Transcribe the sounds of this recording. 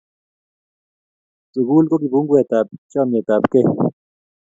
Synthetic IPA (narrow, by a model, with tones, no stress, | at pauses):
t͡suɡu˦lko˦ki˨puŋɡwe˨t̪a˨p̚t͡ʃame˨t̪a˨pke